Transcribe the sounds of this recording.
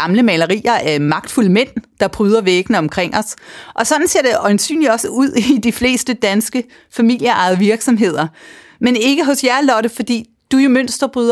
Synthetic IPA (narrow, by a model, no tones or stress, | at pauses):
ɑ̈mləmɛlɐʁḭːɐʔæmɑ̈ɡ̥̚d̥fuləmen̰d̥ɑ̈b̥ʁyːð̞ˠɐʋeɡ̥nəɒ̽mkʰʁeŋ̰ɒ̽sʔɒ̽sɒ̽d̥n̩se̝ɐd̥eʔɒ̽ɪnsy̰ːnli̥ɒ̽səuð̰ˠid̥ifle̝̰ːsd̥əd̥ænsɡ̥ə | fæmil̰jəɑ̈ɪð̞ˠʋiɐɡ̥sɒ̽mɦe̝ð̞̰ˠɐ | mene̝ɡ̥əɦɔ̽sjæɐlɒ̽ɾəfɒ̽d̥ḭː | d̥ujo̝møn̰sd̥ɐb̥ʁyːðˠɐ